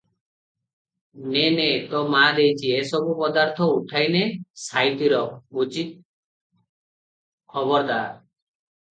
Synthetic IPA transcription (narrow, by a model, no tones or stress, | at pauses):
nenet̪ɔmad̪ejt͡ʃʰiesɔbupɔd̪aɾt̪ʰɔuʈʰajnesajʈ̪iɾɔbut͡ʃit̪̚ | kʰɔbɔɾd̪a